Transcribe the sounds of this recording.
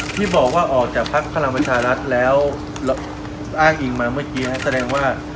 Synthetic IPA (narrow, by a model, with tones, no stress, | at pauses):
t̪ʰiː˥˩bɔː˨˩k̚waː˥˩ʔɔː˨˩k̚t͡ɕaː˨˩k̚pʰa˦˥k̚pʰa˧la˧ŋpɾa˧t͡ɕʰaː˧ɾa˦˥t̪̚lɛː˦˥w | l | ʔaː˥˩ŋʔiː˧ŋmaː˧mɯ˥˩ɐkiː˦˥a˦˥nsa˧dɛː˧ŋwaː˥˩